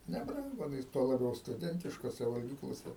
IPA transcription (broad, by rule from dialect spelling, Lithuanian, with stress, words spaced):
nʲɛˈbrɐŋɡʊ ɐˈnɐɪs tuɔ lˠɐˈbʲɛʊ stʊˈdʲɛnʲtʲɪʃkoːsʲɛ ʋɐlʲˈɡʲiːklˠoːsʲɛ